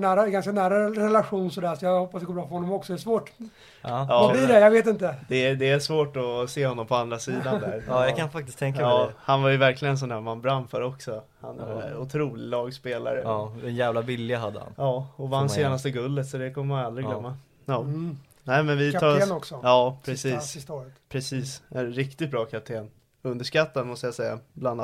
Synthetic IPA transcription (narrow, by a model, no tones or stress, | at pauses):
næːɾaɡanskanæːɾaɾɛlaɧuːnsɔd̪æːɾsɔjahɔpːasd̪ɛɡoːbɾɑːfœɾhɔnːɔmɔksɔd̪ɛsvoːʈ | ɑːvablɪɖɛjaɡveːt̪ɪnt̪əd̪ɛd̪ɛæʂvoːʈɔseːhɔnːɔmpʰɔand̪ɾasiːd̪and̪æɾjakʰanfak̚t̪ɪst̪ʰɛŋkahanvajʏvæɾklɪɡənɛsɔnd̪æːɾmanːbɾamfaɾɔksɔ | ha̰næ̰ʊt̪ʰɾuːlɪlɑːɡspeːla̰ɾəd̪ɛnjæːvlavɪlːɪaɦa̰d̪ːə̰ha̰njɑːɔvaanseːnast̪əɡɵlːət̪sɔd̪ɛkʰɔmːəmanald̪ɾɪɡlœmːa | jɑː | nɛːɪmɛnvɪɑɔksɔɑːpʰɾɛsiːsspʰɾɛsiːsæɾɪkt̪ɪt̪̚bɾɑːkʰapt̪ʰeːn | ɵnd̪əʂkat̪ːad̪mɔst̪əjasɛjːa̰bland̪